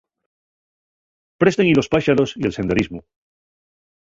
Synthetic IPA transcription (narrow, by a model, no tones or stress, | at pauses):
pɾe̞st̪eŋilo̞spaʃaɾo̞sielse̞nd̪eɾizmu